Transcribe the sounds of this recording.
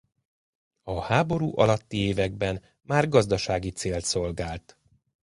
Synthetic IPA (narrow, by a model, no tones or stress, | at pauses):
ɒhaːbo̞ɾuːʔɒ̰lɒt̪ːieːvɛɡbɛn | maːrɡɒzd̪ɒʃaːɡit̪seːlt̪so̞lɡaːlt̪